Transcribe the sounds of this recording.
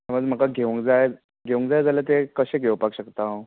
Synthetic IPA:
aməɡm̤əkaɡʱeʋuŋkd͡zaj | ɡʱeʋuŋkd͡zajd͡zalat̪̬ekəɕẽɡʱewpakɕəkt̪a

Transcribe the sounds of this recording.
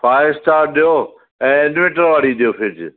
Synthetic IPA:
fʰaːjɪɾsʈaːɾɗijo | ɛ̃ːɪnʋɪ̃ʈəɾʋaːɽiɗijoːfʰɪd͡ʑ

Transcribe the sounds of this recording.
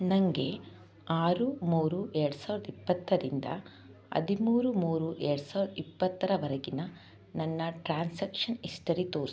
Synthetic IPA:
nɐŋɡe̞ | aːɾumuːɾuʔeɾɽusaːʋɾɐd̪ɐipːɐt̪ːɐɾind̪ɐ̰ | ɐ̰d̪imuːɾumuːɾuʔeːɽusaːʋiɾɐd̪ɐipːɐt̪ːɐɾɐʋɐɾɐɡinɐ | nɐnːɐʈɾaːnsɐkʂɐnisʈɐɾit̪oː

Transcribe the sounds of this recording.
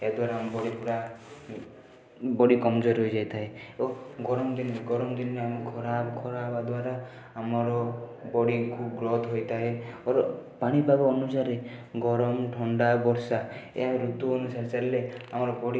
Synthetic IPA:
ead̪waɾaambɔɽipuɽa | bɔɽikɔmd͡ʒɔɾɦojd͡ʒajt̪ʰaeoɡɔɾɔmd̪ineɡɔɾɔmd̪inːeamekʰɔɾabkʰɔɾabad̪waɾaː | mɔɾɔbɔɽikʰubɡɾɔt̪ʰɦojt̪ʰaɦeɔɾɔpaɽ̃ibʱabɔːnusaɾeɡɔɾɔmʈʰɔɳɖabɔɾsaḛɦaɾut̪uɔnusaɾt͡ʃalileamɔɾɔbɔɽi

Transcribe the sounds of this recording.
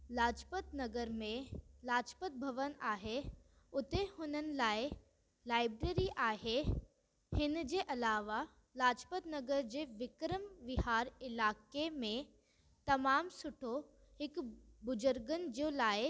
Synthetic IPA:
laːd͡ʑpət̪nɐɡəɾmẽlaːd͡ʑpət̪̚bʱɐʋənaːɦe | ʊt̪ehʊnənɪ̆laːɪ | laːɪbɾeːɾiʔaːɦe | hɪnd͡ʑeːʔɐlaːʋa | laːd͡ʑpət̪nɐɡəɾd͡ʑeːʋɪkɾəmʋɪɦaːɾɪlaːkemẽ | t̪ɐmaːmsʊʈʰo | hɪkbʊd͡ʑʊɾɡənɪ̆d͡ʑioːlaːɪ

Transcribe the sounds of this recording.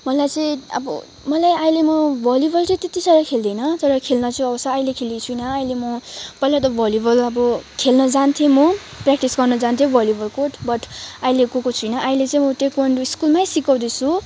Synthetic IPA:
mʌlajt͡sʌ̃ĩʌ̰bʌ̰ | mʌlajajlemʌbʱʌljibʌlt͡sʌĩt̪et̪isʌɾʌkʰeld̪ʌjnʌt̪ʌɾʌkʰelnʌt͡sʌj̃ʌbʌsaːilekʰelit͡sʰuinʌːjlemʌpʌjlat̪ʌbʱʌljubʌlʌbʌkʰelnʌd͡zant̪ʰemʌprakʈisɡʌrnʌd͡zant̪ʰjobʱʌljubʌlkoʈbʌʈailekokot͡sʰujnʌʔajlet͡sʌĩj̃mʌʈekʌɳɖuiskulmajsikʌw̃d̪et͡sʰu

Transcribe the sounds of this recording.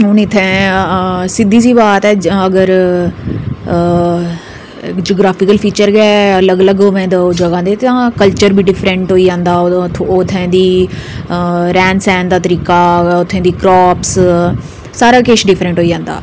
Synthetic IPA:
ʊnɪt̪ʰːɛ̃ː | sɪd̪iːsiːbaːt̪ɛːəɡəɾ | kd͡ʒoːɡɾaːfɪkəlpʰiːt͡ʃəɾɡɛːələɡələɡoʋẽːd̪ad͡ʒəɡãːd̪eːt̪ãːkəlt͡ʃəɾbʱiːɖɪfʰɾə̃ɳʈɦoːiːd͡ʒãːnd̪aːot̪ʰːẽːd̪iː | ɾɛːnsɛ̃ːnd̪aːt̪əɾiːkaːʊt̪ʰːẽːd̪iːkɾɔːps | saːɾaːkeːʃɖɪfʰɾə̃ɳʈɦoːiːd͡ʒãːnd̪a̰ː

